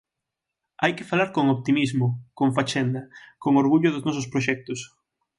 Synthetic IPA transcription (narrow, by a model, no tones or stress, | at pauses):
ajkɪfalaɾkoŋoβt̪imizmʊkoɱfat͡ʃɛnd̪ɐkoŋoɾɣuʎʊðʊznɔsʊspɾoʃɛk̚t̪ʊs